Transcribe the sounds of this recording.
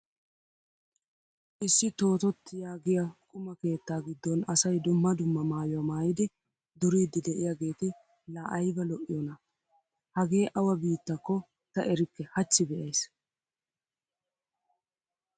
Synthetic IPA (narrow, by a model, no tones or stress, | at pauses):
ʔɪsːɪt̪o̞ːt̪ɔt̪ːɪjaːɡɪjɐkʼʊmɐke̞ːt̪ːaːɡɪd̪ːɔnɐsɐjd̪ʊmːɐd̪ʊmːɐmaːjʊwɐmaːjɪd̪ɪ | d̪ʊɾiːd̪ːɪd̪ɛʔɪjaɡe̞ːt̪ɪ | laːʔɐjbɐlɔʔɪjɔnɐ | hɐɡeːʔɐwɐbiːt̪ːɐkːɔ | t̪ɐʔɛɾɪkːɛhɐt͡ʃːɪbɛʔɐjs